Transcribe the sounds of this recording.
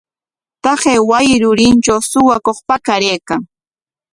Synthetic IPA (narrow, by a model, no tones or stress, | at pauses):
t̪ɑχeːwajɪɾʊɾɪnt͡ʃawsʊwakoχpakaɾejkaŋ